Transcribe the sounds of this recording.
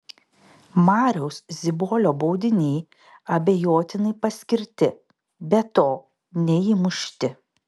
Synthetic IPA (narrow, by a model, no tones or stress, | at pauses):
mɑːɾʲɛʊszʲɪboːlʲoːbɒʊd̪ʲɪnʲɛɪ | ɐbʲejoːt̪ʲɪnɐɪpɐsʲkʲɪɾʲt̪ʲɪ | bʲɛt̪oː | nʲɛimʊʃʲt̪ʲɪ